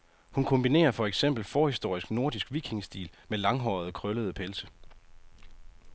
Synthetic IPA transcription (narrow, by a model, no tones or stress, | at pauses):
hunkʰɔ̽mb̥ine̝̰ːɐfɒ̽eɡ̥sem̰b̥l̩fɒːhisd̥o̝ɐ̰isɡ̥no̝ɐd̥isɡ̥ʋiɡ̥ʰeŋsd̥ḭːlmelɑ̈ŋɦɒ̰ð̞̩ˠkʰʁœləð̞ˠpʰelsə